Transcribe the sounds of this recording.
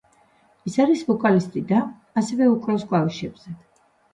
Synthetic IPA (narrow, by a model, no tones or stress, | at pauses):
isaɾisbɔkʼalist̪ʼid̪aː | sɛvɛukʼɾɔsɡvaliʃɛbz̥ɛ